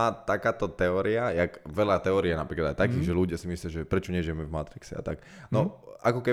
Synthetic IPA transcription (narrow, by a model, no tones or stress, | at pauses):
aːt̪akaːt̪ɔt̪ɛɔːɾiajakʋɛʎat̪ɛɔːɾijɛnapɾiːklad̪ajt̪akiːʒɛluɟɪasimislɪaʒɛpɾɛt͡ʃɔɲɛʒɪjɛmɛvmat̪ɾiksɛa̰t̪ak | nɔʔakɔkɛ